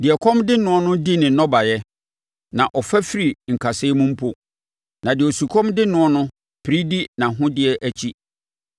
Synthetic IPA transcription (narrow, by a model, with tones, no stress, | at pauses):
dɪ˨ɛ˨kʰɔ̃˦mdɪ˦nʊ̃˦ɔ˦nʊ̃˦di˦nɪ̃˨nɔ˦ba˨jɛ˦ | nã˨ʔɔ˨fæ˦fi˦ɾi˨ŋ̩˨kʰa˨sɪ˦mʊ̃˦m̩˦pʰo˨ | nã˨dɪ˨o˨su˨kʰɔ̃˦mdɪ˦nʊ̃˦ɔ˦nʊ̃˦ | pʰɾi˦di˦nã˨ɦʊ̃˦dɪ˦ɛ˦ʔæ˦t͡ɕʰi˦